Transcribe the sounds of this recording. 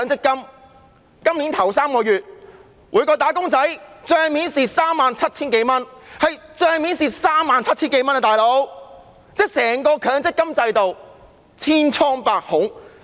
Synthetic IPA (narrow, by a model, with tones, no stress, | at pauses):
ŋt͡sɪ˥kːɐ˥m | kɐ˥mli˨˥nt̪ʰɐ˨˩wsaː˥mkɔː˧jɥyː˨t̚ | wʔuː˨˧jkɔː˧t̪aː˨˥kʊ˥ŋt͡sɐ˨˥jt͡ʃœː˧ŋmiː˨˥nsiː˨saː˥mːaː˨nt͡sʰɐ˥t̚t͡sʰiː˥nk̬e˨˥jmɐ˥nhɐ˨jt͡ʃœː˧ŋmiː˨˥nsiː˨˩saː˥mːaː˨nt͡sʰɐ˥t̚t͡sʰiː˥nŋke˨˧˥jmɐ˥nɐ˧t̪aː˨jlo˨˥w | t͡sɛː˥sɛː˨˩ŋkɔː˧kʰœː˨˥ŋt͡sɪ˥kːɐ˥mt͡sɐ˧jt̪o˨w | t͡sʰiː˥nt͡sʰɔː˥ŋpaː˧k̚hʊ˨˥ŋ